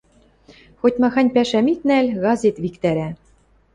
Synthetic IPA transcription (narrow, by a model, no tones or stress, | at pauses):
xot̪ʲmɑxɑnʲpæʃæmik̪nælʲɣɑzet̪βikt̪æɾæ